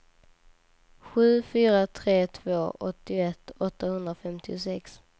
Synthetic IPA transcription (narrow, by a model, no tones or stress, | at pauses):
ɧʉ̟ːfyːɾat̪ʰɾeːt̪ʰvoːʔɔ̰t̪ːɪɛt̪ːɔt̪ːahɵnd̪ɾafɛmt̪ʰɪʊsɛks